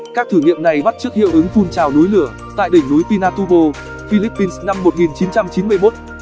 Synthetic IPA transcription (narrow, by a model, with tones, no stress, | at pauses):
kaː˦˥k̚t̪ʰɨː˧˩ɲḭ˧˨əmna˨˩jɓa˦˥t̚t͡ɕɨ˦˥ək̚hḭ˧˨əwʔɨ˨˦ŋfu˧nt͡ɕaː˨˩wnu˨˦jlɨ˧˩ə | t̪a̰ː˧˨jɗï˧˩ŋ̟nu˨˦jpi˧naː˧t̪u˧ɓo˧ | fi˧li˦˥pːi˧nsna˧mːo˨˩t̚ŋi˨˩nt͡ɕi˨˦nt͡ɕa˧mt͡ɕi˨˦nmɨ˧əjmo˦˥t̚